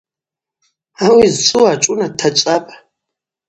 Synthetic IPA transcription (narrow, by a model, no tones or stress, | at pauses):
awizsʰʼuat͡ʃʼunatʰat͡ʃʷʼapʼ